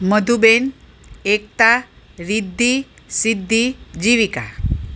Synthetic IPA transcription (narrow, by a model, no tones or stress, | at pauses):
məd̪ʱuben | ek̚t̪a | ɾid̪ʱːi | sid̪ʱːid͡ʑiʋika